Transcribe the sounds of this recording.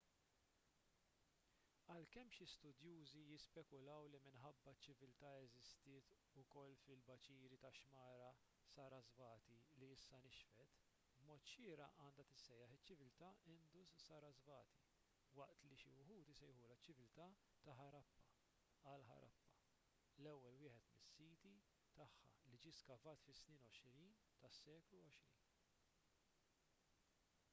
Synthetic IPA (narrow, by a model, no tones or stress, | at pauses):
ɐlkɛmːʃist̪ʊd̪juːzijɪspɛkʊlɐwlimɪnħɐbːɐt͡ʃːɪvɪlt̪ɐɛzɪst̪ɪːt̪ | ʊkɔlːfɪlbɐt͡ʃiːɾit̪ɐʃmɐːɾɐ | sɐɾɐzvɐːt̪iliɪsːɐnɪʃfɛt̪ | bmɔːt̪ʃɪːɾɐ̰ʔɐːnd̪ɐt̪ɪsːɛjːɐħɪt͡ʃːɪvɪlt̪ɐɪnd̪ʊssɐːɾɐzvɐːt̪ʰi | wɐʔt̪liʃiwʊħuːt̪isɛjħuːlɐt͡ʃːɪvɪlt̪ɐː | t̪ɐħɐɾɐpːɐ | ɐlħɐ̰ɾʔɐ̰pːɐ̥ | lɛwːɛlwɪːħɛt̪mɪsːiːt̪i | t̪ɐħːɐ̰lid͡ʒiːskɐvɐːt̪fɪsnɪːnɔʃɾiːn | t̪ɐsːɛːkluɔʃɾḭːn